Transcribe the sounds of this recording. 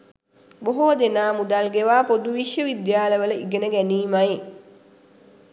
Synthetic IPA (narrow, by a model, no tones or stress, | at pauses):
boɦod̪enaːmud̪alɡeʋaːpod̪uʋiʃjəʋid̪jaːləʋələiɡenəɡæniːmaj